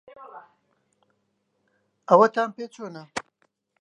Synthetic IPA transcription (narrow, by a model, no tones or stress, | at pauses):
ɐwɐt̪aːmpet͡soːna